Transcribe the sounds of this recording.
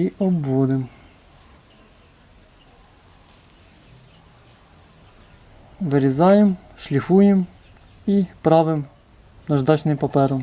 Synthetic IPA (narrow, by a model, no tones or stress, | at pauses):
iʔɔbwɔd̪ɛm | vɘɾʲɛzajɛm | ʂlʲifujɛm | ipɾavɘm | naʐd̪at͡ɕnɛmpapɛɾɔm